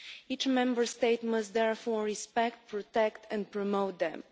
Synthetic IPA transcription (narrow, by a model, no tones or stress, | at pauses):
it͡ʃmɛ̃mbə˞steɪtmʌsd̪ðɛɹfɔɹɹispɛk̚t̚pʰɹɔtɛktʰɛ̃n̚pɹɔmoʊt̪̚ðɛ̰̃m